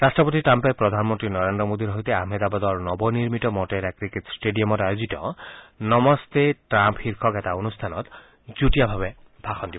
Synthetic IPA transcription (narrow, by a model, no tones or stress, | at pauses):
ɾasʈɔpot̪iʈɾampepɾɔd̪ʱanmɔnt̪ɾinɔɾend̪ɾɔmod̪iɾɔɦojt̪eaɦmed̪abad̪ɔɹnɔbɔniɾmit̪ɔmɔʈeɾɛkɾiketsʈeɖiɔmɔtajozit̪ɔ̰nɔmɔst̪eʈɾamphiɾkʰɔkɛt̪aonust̪ʰanɔt̪ | d͡ʒuʈijabʱabe | bʱaxɔnd̪ibɔ